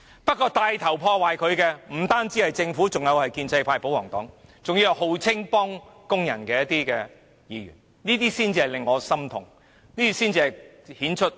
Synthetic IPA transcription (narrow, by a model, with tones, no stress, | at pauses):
pɐ˥t̚kːɔː˧t̪aː˧jt̪ʰɐ˨˩wpʰɔː˧waː˨jkʰɵ˨˧ɥkɛː˧m̩˨˩t̪aː˥nt͡siː˨˥hɐ˨jt͡sɪ˧ŋfu˨˥t͡sʊ˨ŋjɐ˨˧whɐ˨jkiː˧nt͡sɐ˧jpʰaː˧jpo˨˥wɔː˨˩ŋt̪ɔ̰ː˨˥ŋt͡sʊ˨ŋji˥˨ɦo˨˧wt͡sʰɪ˥ŋpɔː˥ŋkʊ˥ŋjɐ̰˨˩nkɛː˧jɐ˥t̚t̪iː˥kɛː˧ | jiː˨˧ɥy̰˨˩n | niː˥t̪iː˥siː˥nt͡siː˧hɐ˨jlɪ˨ŋːɔː˨˧sɐ˥mt̪ʰʊ˨˩ŋ | niː˥t̪i˥siː˥nt͡siː˧hɐ˨j | hiː˨˥nt͡ʃʰɵ˥t̚